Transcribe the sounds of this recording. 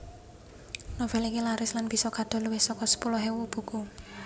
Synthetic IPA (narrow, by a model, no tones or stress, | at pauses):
novɛlikilaɾɪslanb̥isɔkad̪̥ɔ̤luwɪhsɔkɔsə̥pulɔɦewub̥ṳku